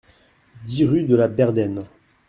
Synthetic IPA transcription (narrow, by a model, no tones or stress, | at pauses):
d̪iʁyd̪əlabɛʁd̪ɛn